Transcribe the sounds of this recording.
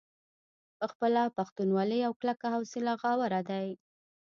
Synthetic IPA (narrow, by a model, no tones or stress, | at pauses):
pəxpəlapaxt̪unwɑləjawklakahawsɪlaɣɑwaɾad̪aj